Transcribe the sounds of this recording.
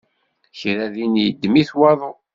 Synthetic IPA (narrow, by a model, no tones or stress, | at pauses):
çɾæðinjəd̪ːmiθwɑðˤo